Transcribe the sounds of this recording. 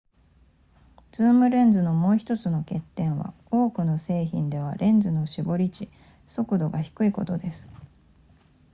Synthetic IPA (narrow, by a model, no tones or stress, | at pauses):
d͡zɨːmɯ̟ɾẽ̞nd͡zɨno̞mo̞ːçi̥t̪o̞t͡sɨno̞ke̞t̪ːẽ̞ɰ̃βa̰ | o̞ːkɯ̟no̞se̞ːçḭ̃nd̪e̞β̞a̰ɾʔẽ̞nd͡zɨno̞ɕibo̞ɾʲit͡ɕi | so̞kɯ̟d̪o̞ɡaçi̥kɯ̟iko̞t̪o̞d̪e̞sɨ̥